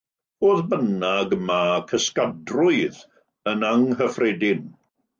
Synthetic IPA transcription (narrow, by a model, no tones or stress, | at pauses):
voːðbənaɡəmakʰəskadrʊɨð | ənaŋɦəfrɛdɪn